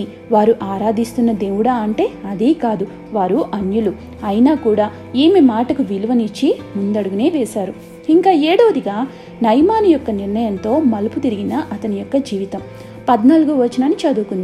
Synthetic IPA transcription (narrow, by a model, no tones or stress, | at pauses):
i | ʋaːɾuʔaːɾaːd̪ist̪unːɐd̪eːʋuɽaːɐɳʈe̞ːɐd̪iːkaːd̪u | ʋaːɾuʔɐnjulu | ɐjnaːkuːɽaː | eːmimaːʈɐkuʋiluʋɐnit͡ʃːimund̪ɐɽuɡune̞ːʋɛːsaːɾu | iŋkaːeːɽoːd̪iɡaː | nɐjmaːnijɔkːɐniɾnɐjɐnt̪o̞ːmɐluput̪iɾiɡinɐʔɐt̪ɐnijɔkːɐd͡ʒiːʋit̪ɐm | pɐd̪naːluɡuʋɐt͡ʃːinɐnit͡ʃɐd̪ukund̪ii